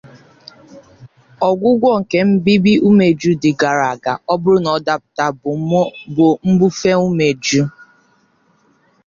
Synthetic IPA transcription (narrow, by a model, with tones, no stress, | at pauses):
ɔ˨ɡʷʊ˦ɡʷɔ˦ŋ̩˨ke˨m̩˦bi˦bi˦u˦me˨d͡ʒu˦dɪ˨ɡa˨ɾa˨ɡa˨ʔɔ˦bʊ˦ɾʊ˦nɔ˨da˦pʊ̥˨ta˦˨˦bʊ˨m̩˦bu˦fe˦ŋu˦me˨d͡ʒu˦